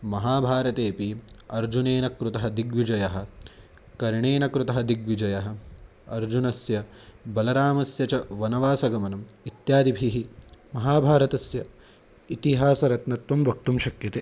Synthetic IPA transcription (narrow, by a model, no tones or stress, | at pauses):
mɐɦaːbʱaːɾɐt̪eːpiɐɾd͡ʒuneːnɐkɾut̪ɐɦɐd̪iɡʋid͡ʒɐjɐɦɐ̆ | kɐɾɳeːnɐkɾut̪ɐɦɐd̪iɡʋid͡ʒɐjɐɦɐ̆ | ɐ̰ɾd͡ʒunɐsjɐbɐlɐɾaːmɐsjɐt͡ʃɐʋɐnɐʋaːsɐɡɐmɐnɐmit̪jaːd̪ibʱiɦimɐɦaːbʱaːɾɐt̪ɐsjɐ | it̪iɦaːsɐɾɐt̪nɐt̪ʋɐmʋɐk̚t̪umʃɐkjɐt̪eː